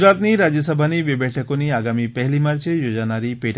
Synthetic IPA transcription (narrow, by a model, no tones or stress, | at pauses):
ɾat̪niɾad͡ʒɔsɔbʱanibebjɛʈʰakoniaɡamipɛɦlimaɾt͡ʃejod͡ʒanaɾipeʈ